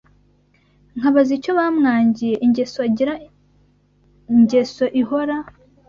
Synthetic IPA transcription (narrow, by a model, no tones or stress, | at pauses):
ŋ̥haβazico̞βamŋaːɲɟije̞ʔiɲɟe̞soaɟiɾa | ɲɟe̞so̞ʔiɦoɾa